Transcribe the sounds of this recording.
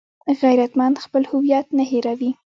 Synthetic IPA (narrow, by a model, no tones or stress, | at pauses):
ɣajɾat̪manxpəlhʊwjat̪naɦeɾawi